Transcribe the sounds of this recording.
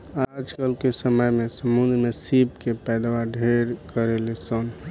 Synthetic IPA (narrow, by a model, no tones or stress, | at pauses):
ad͡ʒkəlkesəməjmesəmund̪ʱmesipkepɛjd̪waɖʱeɾkəɾelesən